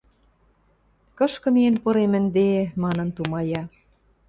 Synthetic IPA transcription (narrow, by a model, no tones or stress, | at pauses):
kɤ̆ʃkɤ̆mienpɤ̆ɾemɘ̆nd̪emɑnɤ̆nt̪umɑjɑ